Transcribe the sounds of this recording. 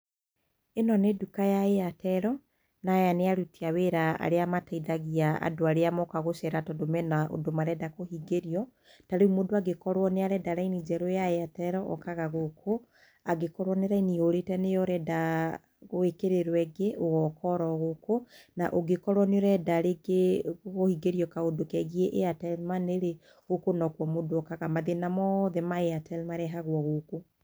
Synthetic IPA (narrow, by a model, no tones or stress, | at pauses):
enɔnedukajaeatɛɾɔ | najaneaɾutiaweɾaa̰ɾeamataidaɣiaa̰doaɾeamɔkaɣoʃɛɾatɔdomɛnaʔo̰domaɾɛdakohiɡeɾiɔ | taɾeumodoaɡekɔɾwɔneaɾɛdaɾainid͡ʒɛɾojaeatɛɾɔʔɔ̰kaɣaɣokʰo | aɡekɔɾwɔneɾainioɾetɛnejɔɾɛda | ɣoekeɾeɾwɛɡeʔoɣɔkɔɾɔɣokonaʔoɡekɔɾwɔneɔɾɛdaɾeɡeɣohiɡeɾiɔkaodokɛɣieʔeatɛlmaneɾe | ɣokonɔkwɔmodoɔkaɣamaðenamɔðɛmaeatɛlmaɾɛɦaɣwɔɣoko